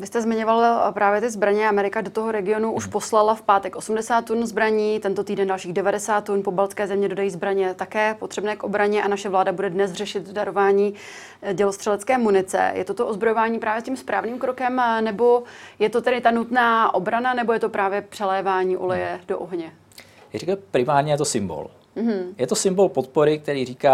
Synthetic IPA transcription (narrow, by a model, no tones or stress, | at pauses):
vɪst̪ɛzmɪɲovalpɾaːvjɛt̪ɪzbɾaɲɛamɛɾɪkadot̪oɦoɾɛɡɪo̞nuʔuʃpo̞slalafpaːt̪ɛkʔo̞sumdɛsaːt̪ːunzbɾaɲiːt̪ɛnt̪o̞t̪iːdɛndalʃiːɣdɛvadɛsaːt̪ːunpobalt͡skɛːzɛmɲɛdo̞dajiːzbɾaɲɛt̪akɛːpo̞t̪r̥ɛbnɛːkʔo̞bɾaɲɛʔanaʃɛvlaːdabudɛdnɛsrɛʃɪt̪daɾo̞vaːɲiː | ɟɛlost̪r̥ɛlɛt͡skɛːmunɪt͡sɛ̰jɛ̰t̪ot̪oʔozbɾojo̞vaːɲiːpɾaːvjɛscimspɾaːvniːmkɾo̞kɛmnɛbo̞jɛt̪ot̪ɛɾɪt̪anut̪naːʔo̞bɾananɛbo̞jɛt̪o̞pɾaːvjɛpr̥ɛlɛːvaːɲiːʔolɛjɛdo̰ʔoɦɲɛ | arɛkɛpɾɪmaːɾɲɛjɛt̪osɪmbo̰l̩ | ɦ̩jɛt̪osɪmbolpot̪̚poɾɪk̚t̪ɛɾiːriːkaː